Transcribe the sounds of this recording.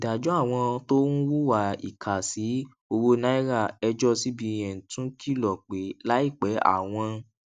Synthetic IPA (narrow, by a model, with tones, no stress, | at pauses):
i˨da˨d͡ʒɔ˨˦a˦˨w̃ɔ̃˧to˦nũ˦wu˦wa˦˨ḭ˨kʰa˨si˨˦ | o˧wo˦na˦i˦ɾa˦˨ɛ˧d͡ʒɔ˦si˦bĩ˧ɛ̃˨n̩˨tũ˨˦kʰi˦˨lɔ˨k͡pe˨˦la˦i˦˨k͡pɛ˨˦a̰˦˨w̃ɔ̃˧